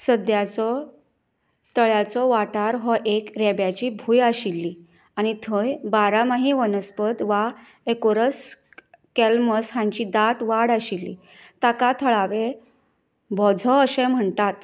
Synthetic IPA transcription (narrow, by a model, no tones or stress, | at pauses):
səd̪jat͡sɔ | t̪əɭjat͡sɔʋaʈaɾɦɔʔekɾɛbjat͡ɕiːbʱuːjaɕilːiː | añit̪ʰəjbaɾamaɦiʋənəspəd̪ʋa | ekoɾəs | kɛlməsɦãɲt͡ɕid̪aʈʋaɽaɕilːḭ | t̪akat̪ʰəɭaʋe | bɔd͡zʱɔəɕẽm̤əɳt̪at̪